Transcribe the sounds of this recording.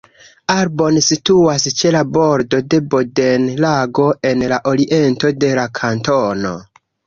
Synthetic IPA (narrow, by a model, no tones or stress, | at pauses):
aɾbo̞nsituast͡ʃe̞labo̞ɾdo̞de̞bode̞nlaɡo̞e̞nlaʔo̞ɾiʔe̞nto̞de̞lakʰantono̞̰